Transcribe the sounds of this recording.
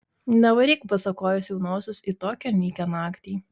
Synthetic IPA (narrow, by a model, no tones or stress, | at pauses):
nʲɛʋɐɾʲiːkpɐsɐkoːjɛsʲjɛʊnoːsʲʊsit̪oːkʲɛmʲiːkʲonɑːkt̪ʲiː